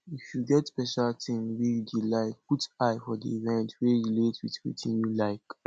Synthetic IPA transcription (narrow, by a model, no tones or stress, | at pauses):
ifjuɡɛtspɛʃaltʰĩmwijdilaɪkputaɪfɔdḭivɛ̃ntwejiletwḭtwḭtʰĩnjulaɪk